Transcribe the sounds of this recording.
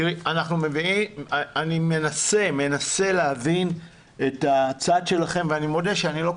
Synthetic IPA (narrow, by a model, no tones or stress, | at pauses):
iʁianaχnume̞viianime̞nase̞me̞nase̞leavin | e̞tat͡sadʃe̞laχe̞mveanimo̞deʃeanilo̞k